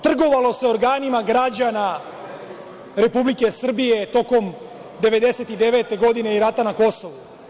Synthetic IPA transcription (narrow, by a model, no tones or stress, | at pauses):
t̪r̩ɡo̞ʋalo̞seoɾɡaːnimaɡɾad͡ʑana | ɾe̞publike̞sr̩bije̞t̪o̞ko̞m | d̪e̞ʋe̞d̪e̞se̞t̪id̪eʋe̞t̪e̞ɡo̞d̪ine̞iɾat̪anako̞so̞ʋu